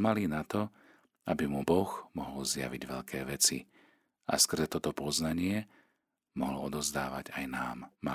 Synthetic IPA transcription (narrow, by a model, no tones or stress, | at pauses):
malinat̪ɔ | abimubɔɣmɔɦɔlzja̰ʋiɟʋɛʎkʰɛːʋɛt͡sḭ | a̰skr̩zɛt̪ɔt̪ɔpɔznaɲɪɛ | mɔɦlɔɔd̪ɔzd̪aːʋa̰ɟajnaːmːa